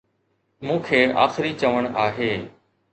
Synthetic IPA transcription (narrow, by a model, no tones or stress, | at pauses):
mũːkʰeːa̰ːxɪɾit͡ʃəʋəɽ̃aːɦeː